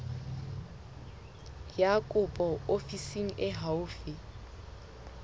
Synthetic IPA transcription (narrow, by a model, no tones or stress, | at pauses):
jakʼʊpʼɔofisiŋ̩ʔɪɦaʊfɪ